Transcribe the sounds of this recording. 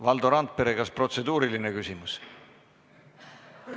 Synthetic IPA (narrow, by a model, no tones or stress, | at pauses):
vɑld̪̥oɾɑnt̪̚pe̞ɾekɑspro̞t̪se̞d̪uːɾiline̞kysʲimus